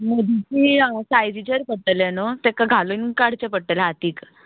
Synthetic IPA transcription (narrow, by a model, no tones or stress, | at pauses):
məd̪ʱit͡ɕiːsajd͡ʑit͡ɕeɾpəʈəlenot̪ekaɡʱalunkaɽ̤t͡ɕepəʈəleat̪iːk